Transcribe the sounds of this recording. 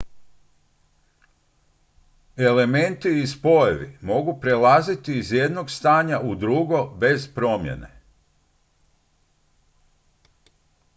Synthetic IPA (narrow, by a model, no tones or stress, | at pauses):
e̞le̞me̞nt̪iːspo̞jeʋḭmo̞ɡupɾelazit̪iːzje̞d̪no̞ɡst̪aːɲaʔud̪ɾuɡo̞be̞zpɾo̞mjḛnḛ